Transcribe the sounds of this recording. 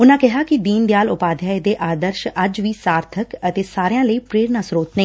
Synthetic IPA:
ʊnãːkɪɦaːkid̪iːnd̪ejaːlʊpaːd̪ʱjaːed̪eːʔaːd̪əɾʃəd͡ʒʋiːsaːɾt̪ʰəkət̪eːsaːɾejãːləiːpɾeːɾnasɾoːt̪nẽː

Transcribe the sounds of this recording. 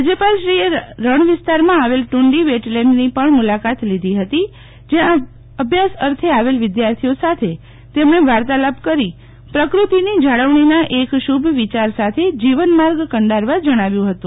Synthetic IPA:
ad͡ʒəpalʃɾieɾəɳʋɪst̪aɾmãaʋelʈuɳɖiʋeʈlemnipəɳmulakat̪lid̪ʱiɦət̪i | d͡ʒeã | əbʱjasəɾt̪ʰeaʋelʋɪd̪jaɾt̪ʰijosat̪ʰe | t̪emɳeʋaɾt̪alapkəɾi | pɾəkɾut̪inid͡ʒaɭəʋɳinaʔekʃubʱʋit͡ʃaɾsat̪ʰed͡ʒiʋənmaɾɡkəɳɖaɾʋad͡ʒəɽ̃aʋjũɦət̪ũ

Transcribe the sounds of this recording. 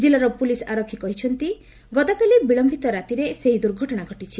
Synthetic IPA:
d͡ʒilɔɾɔpulisaɾɔkʰːikɔɦit͡ʃʰɔnt̪i | ɡɔd̪akalibiɭɔmbʱit̪ɔɾat̪iɾeseɦid̪uɾɡʱɔʈɔɽ̃aɡʱɔʈit͡ʃʰi

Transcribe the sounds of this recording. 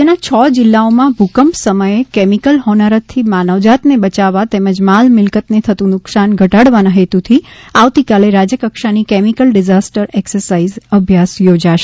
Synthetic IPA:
d͡ʒenat͡ʃʰɔd͡ʒɪlːaomãbʱukəmpsəməjekemikəlɦɔnəɾət̪t̪ʰːimanəʋd͡ʒat̪nebət͡ʃaʋːat̪eməd͡ʒmalmɪlkət̪net̪ʰət̪ũnʊksanɡʱəʈaɽʋanãɦet̪ut̪ʰiaʋt̪ikaleɾad͡ʒəkəkʃanikemikəlɖɪd͡ʒasʈəɾɛksəɾsaizəbʱjasjod͡ʒaʃe

